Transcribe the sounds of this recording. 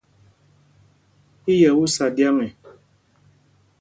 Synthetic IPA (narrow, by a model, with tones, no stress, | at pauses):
i˦jɛ˨wu˦sa˨dja˦ŋɛ˨